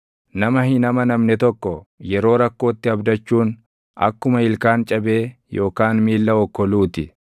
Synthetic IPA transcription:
nɐmɐhɪnɐmɐnɐmnɛt̪ɔkːɔjɛɾo̞ːɾɐkːo̞ːt̪ːɪɐbd̪ɐt͡ʃːuːn | ɐ̰kːʊmɐɪlkaːnt͡ʃʼɐbe̞ːjo̞ːkaːnmiːlːɐɔkːɔluːt̪ɪ

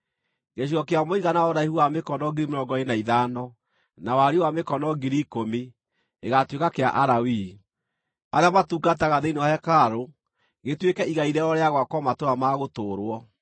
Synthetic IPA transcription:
ɣeɕ̬iɣɔkeamoiɣanaɔɾaihuwamekɔnɔɡeɾimeɾɔŋɡɔenaiðanɔ | nawaɾewamekɔnɔɡiɾikomi | eɣatwekakea̰ʔaɾawi | aðeamatuːɡat̬ɛɣaðeinewahɛkaɾo | ɣetwekɛiɣaiɾɛɔɾeaɣwakwɔmatoɾamaɣotoːɾwɔ

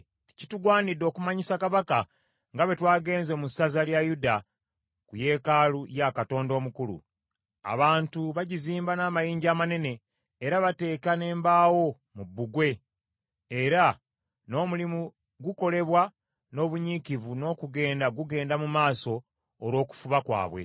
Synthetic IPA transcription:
tcituɡwaːnidːo̞ːkumaɲisakaβaka | ŋɡaβe̞twaːɡe̞ːnzomusazaljajuda | kuje̞ːkalujakato̞ːndo̞ːmukulṵ | a̰βaːntuβaɟiziːmbanaːmajiːɲɟaːmane̞ne̞ː | ɾaβate̞ːkane̞ːmbaːwo̞ | mubːuɡwe̞ː | ɾa | no̞ːmulimu | ɡuko̞le̞βwa | no̞ːβuɲikivuno̞ːkuɡe̞ːndaɡuɡe̞ːndamumaːso̞ː | ɾwo̞ːku̥fuβakwa̰ːβwe̞̰

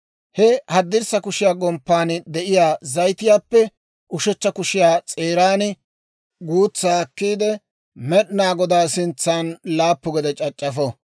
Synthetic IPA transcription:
hɛhɐd̪ːɪɾsɐkʊʃɪjaːɡɔmpːaːnd̪ɛʔɪjaːzɐjt̪ɪjaːpːɛ | ʔʊʃɛt͡ʃːɐkʊʃɪjaːt͡sʼe̞ːɾaːnɪ | ɡuːt͡sːaːkːiːd̪ɛ | mɛɗnaːɡɔd̪aːsɪnt͡sːaːnlaːpːʊɡɛd̪ɛt͡ʃʼɐt͡ʃʼːɐfɔ

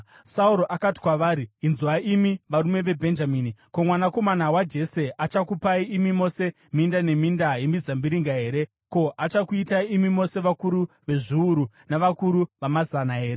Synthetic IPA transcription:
sauɾo̞ʔakati̥kwaʋaːɾiinzuaʔimiʋaɾume̞ʋe̞bʱe̞nd͡ʒaminiko̞mwanako̞manawad͡ʒe̞se̞ʔat͡ʃakupaiimimo̞se̞ | mindane̞mindaje̞mizambiɾiŋɡaɦe̞ːɾe̞ | ko̞ʔat͡ʃakuitaimimo̞se̞ʋakuɾu | ʋe̞ʐiuɾu | naʋakuɾuʋamazanaɦe̞ːɾe

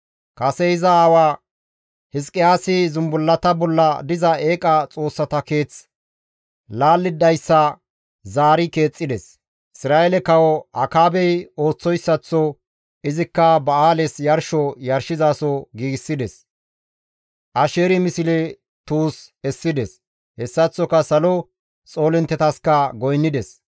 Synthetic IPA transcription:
kɐsɛɪzɐaːwaː | hɪskʼɪjaːsɪzʊmbʊlːɐt̪ɐbɔlːɐd̪ɪzɐe̞ːkʼɐt͡sʼo̞ːsːɐt̪ɐke̞ːt͡s | laːlːɪd̪ɐjsːɐ | zaːɾɪke̞ːt͡sʼːɪd̪ɛs | ɪsɾaːjɛlɛkɐwɔʔɐkaːbɛjo̞ːt͡sːɔjsːɐt͡sːɔ | ɪzɪkːɐbɐaːlɛsjɐɾʃɔjɐɾʃɪzaːsɔɡiːɡɪsːɪd̪ɛs | ʔɐʃeːɾɪmɪsɪlɛ | t̪uːsɛsːɪd̪ɛs | hɛsːɐt͡sːɔkɐsɐlɔ | t͡sʼo̞ːlɛnt̪ːɛt̪ɐskɐɡɔjnːɪd̪ɛs

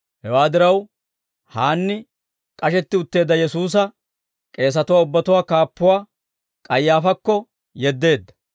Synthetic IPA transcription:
hɛwaːd̪ɪɾɐw | haːnːɪ | kʼɐʃɛt̪ːɪʊt̪ːe̞ːd̪ːɐjɛsuːs̬ɐ | kʼe̞ːs̬ɐt̪ʊwaːʊbːɐt̪ʊwaːkaːpːʊwaː | kʼɐjːaːfɐkːɔ | jɛd̪ːe̞ːd̪ːɐ̥

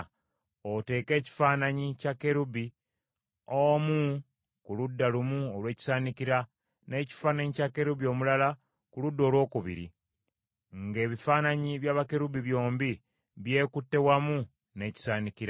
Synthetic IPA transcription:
ote̞ke̞ːci̥faːnaɲicake̞ɾubi | omu | kuludːalumuolwe̞ːci̥saːnikiɾa | ne̞ːci̥faːnaɲicakːe̞ɾubio̞ːmulala | kuludːo̞ːlwo̞ːkuβḭɾḭ | ŋɡe̞ːβifaːnaɲiβjaːβake̞ɾubiβjo̞ːmbi | βje̞ːkutːe̞wamu | ne̞ːci̥saːnikiɾa

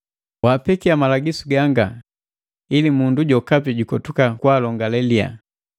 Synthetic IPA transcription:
waːpɛkiamalaɡisuɡaŋɡa | ilimunduɟɔkap̬iɟukɔtukakwaːlɔŋɡalɛlia̰

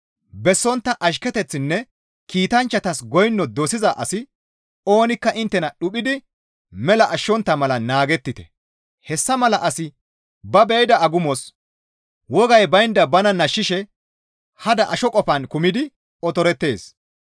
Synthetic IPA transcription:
bɛsːɔnt̪ːɐʔɐʃ̬kɛt̪ɛt͡sːɪnːɛ | kiːt̪ɐnt͡ʃːɐt̪ɐsɡɔjnːɔd̪osɪzɐʔɐsɪ | o̞ːnɪkːɐʔɪnt̪ːɛnɐɗʊpʼɪd̪ɪ | mɛlɐʔɐʃːɔnt̪ːɐmɐlɐnaːɡɛt̪ːɪt̪ɛ̥̰ | hɛsːɐmɐlɐʔɐsɪ | bɐbɛjd̪ɐɐɡʊmɔs | wɔɡɐjbɐjnd̪ɐbɐnɐnɐʃːɪʃɛ | hɐd̪ɐʔɐʃɔkʼɔpɐnkʊmɪd̪ɪ | ɔt̪ɔɾɛt̪ːe̞ːs

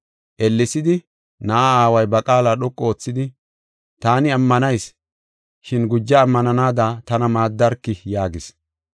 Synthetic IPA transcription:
ʔɛlːɪsɪd̪ɪ | nɐʔaaːwɐjbɐkʼaːlaːɗɔkʼːɔoːt͡sːɪd̪ɪ | t̪aːnɪɐmːɐnɐjs | ʃɪnɡʊd͡ʒːɐːmːɐnɐnaːd̪at̪ɐnɐmaːd̪ːɐɾkːɪjaːɡɪs

